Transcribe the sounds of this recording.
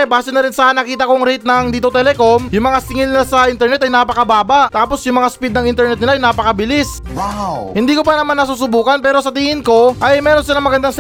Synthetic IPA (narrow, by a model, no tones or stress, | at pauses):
baːsɪnɐɾɪnsɐɐnɐkiːt̪̬ɐko̞ŋɾɛjt̪̚nɐŋd̪iːt̪ot̪ɛlɛkomjʊŋmɐŋasɪŋɪlnɪlasɐʔint̪ɛɾnɛt̪ɐjnaːpɐkɐbaːbɐʔt̪aːposjʊŋmɐŋaspid̪nɐŋʔɪnt̪ɛɾnɛt̪nɪlaɐjnaːpɐkɐbɪlɪs | wahɪnd̪iːko̞pɐnɐmanːɐsuːsʊbuːkɐnpɛːɾo̞sɐt̪iːŋɪnko̞ʔɐjmɛːɾonsɪlaŋmɐɡɐnd̪aŋs